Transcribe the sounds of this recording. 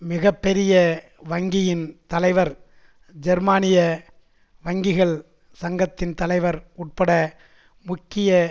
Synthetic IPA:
mɪɣɐpːɛɾɪjɐ | ʋɐŋɡɪjɪnt̪ɐlɐɪʋɐɾ | d͡ʒɛɾmaːnɪjɐ | ʋɐŋɡɪɣɐɭ | sɐŋɡɐt̪ːɪnt̪ɐlɐɪʋɐɾʊʈ̚pɐɽɐ | mʊkːɪjɐ

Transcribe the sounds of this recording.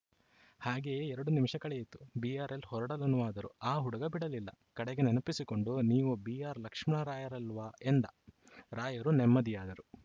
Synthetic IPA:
haːɡe̞ːɛɾɐɽunimʂɐkɐɭejit̪ːu̥biaːɾe̞lhɔɾɐɽɐlɐnːuʋaːd̪ɐɾṵaːɦuɽɐɡɐbiɽɐlilːɐ̰kɐɽɛɡenenɐpisiko̞ɳɖuniːʋubiaːɾlɐkʂmɐɳɐɾaːjɐɾɐlʋaːend̪ɐ | ɾaːjɐɾunemːɐd̪ijaːd̪ɐɾu

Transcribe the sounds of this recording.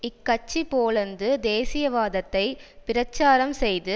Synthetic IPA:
ɪkːɐt͡ʃːipoːɭɐnd̪ɯd̪eːsɪjɐʋaːðɐt̪ːɐɪpɪɾɐt͡ʃːaːɾɐmsɛjðɯ

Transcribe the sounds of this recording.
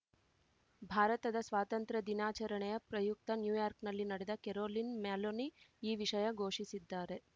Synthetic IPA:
bʱaːɾɐt̪ɐd̪ɐsʋaːt̪ɐnt̪ɾɐd̪inaːt͡ʃɐɾɐɳɛjɐpɾɐjuk̚t̪ɐnjuːjaːɾknɐlːinɐɽɛd̪ɐkeɾoːlinmaːloniiːʋiʂɐjɐɡʱoːʂisid̪ːaːɾe̞

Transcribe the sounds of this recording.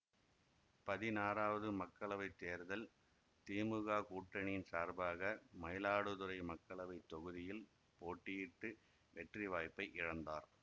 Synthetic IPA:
pɐðɪnaːɾaːʋɐðɯmɐkːɐɭɐʋɐɪt̪ːeːɾðɐl | t̪iːmɯɣaːkuːʈːɐɳijnsaːɾbaːɣɐmɐjlaːɽɯðɯɾɐɪmɐkːɐɭɐʋɐɪt̪ːɔɣɯðɪjɪl | poːʈːɪjɪʈːɯ | ʋɛʈriʋaːjpːɐɪʔɪɻɐnd̪aːɾ

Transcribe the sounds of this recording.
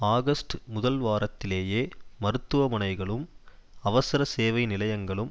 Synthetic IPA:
aːɣɐsʈmʊðɐlʋaːɾɐt̪ːɪleːjeːmɐɾɯt̪ːɯʋɐmɐnɐɪɣɐɭɯmɐʋɐsɪɾɐseːʋɐɪnɪlɐjɐŋɡɐɭɯm

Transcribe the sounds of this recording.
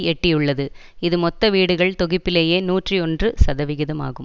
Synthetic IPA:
ɛʈːɪjɯɭːɐðɯ | ɪðɯmɔt̪ːɐʋiːɽɯɣɐɭt̪ɔɣɪpːɪleːjeːnuːʈriɔndrɯsɐðɐʋɪɣɪðɐma̰ːɣɯm

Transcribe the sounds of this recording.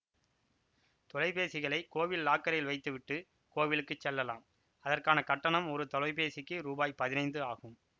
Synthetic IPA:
t̪ɔlɐɪpeːsɪɣɐɭɐɪkːoːʋɪlːaːkːɐɾɐjɪlʋɐɪt̪ːɯʋɪʈːɯ | koːʋɪlɯkːɯt͡ʃːɛlːɐla̰ːm | ɐðɐrkaːnɐkɐʈːɐɳɐmɔɾɯt̪ɔlɐɪpeːsɪkːɯɾuːbaːjpɐðɪnɐɪnd̪ɯaːɣɯm

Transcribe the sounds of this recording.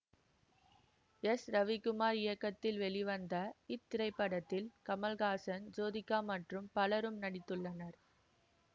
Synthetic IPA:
ɛsɾɐʋɪkɯmaːɾɪjɐkːɐt̪ːɪlʋɛɭɪʋɐnd̪ɐɪt̪ːɪɾɐɪpːɐɽɐt̪ːɪlkɐmɐlɣaːsɐnd͡ʒoːðɪkːaːmɐʈrɯmpɐlɐɾɯmnɐɽɪt̪ːɯɭːɐnɐɾ

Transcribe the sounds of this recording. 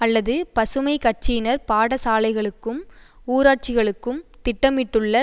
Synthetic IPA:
ɐlːɐðɯpɐsɯmɐɪkɐʈ̚t͡ʃinɐɾpaːɽɐsaːlɐɪɣɐɭɯkːɯmuːɾaːʈ̚t͡ʃɪɣɐɭɯkːɯmt̪ɪʈːɐmɪʈːɯɭːɐ

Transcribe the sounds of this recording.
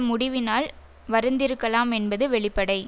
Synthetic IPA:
mʊɽɪʋɪnaːl | ʋɐɾɯnd̪ɪɾɯkːɐlaːmɛnbɐðɯʋɛɭɪpːɐɽɐɪ

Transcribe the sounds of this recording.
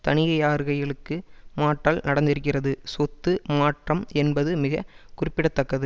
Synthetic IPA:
t̪ɐɳɪjɐjaːɾɣɐɪɐɭɯkːɯmaːʈːaːlnɐɽɐnd̪ɪɾɯkːɪrɐðɯsɔt̪ːɯmaːʈrɐmɛnbɐðɯmɪɣɐkʊrɪpːɪɽɐt̪ːɐkːɐðɯ

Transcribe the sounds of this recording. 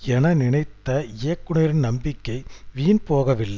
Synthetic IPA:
ɛnɐnɪɳɐɪt̪ːɐeːkːʊɳɐɾɪnnɐmbɪkːɐɪʋiːnpoːɣɐʋɪlːɐ

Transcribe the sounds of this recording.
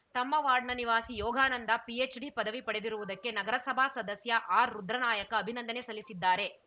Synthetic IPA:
t̪ɐmːɐʋaːɾɖɳɐniʋaːsijɔːɡʱaːnɐnd̪ɐpiet͡ʃɖipɐd̪ɐʋipɐɽe̞d̪iɾuʋud̪ɐkːe̞nɐɡɐɾɐsɐbʱasɐd̪ɐsjɐʔaːɾɾud̪ɾɐnaːjɐkɐːbʱinɐnd̪ɐne̞sɐlːisid̪ːaːɾe̞

